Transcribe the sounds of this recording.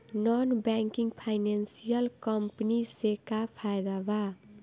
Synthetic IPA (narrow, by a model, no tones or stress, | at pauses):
nɔnbɛŋkiŋɡpʰaɪnensijəlkʌmpnisekapʰajd̪aba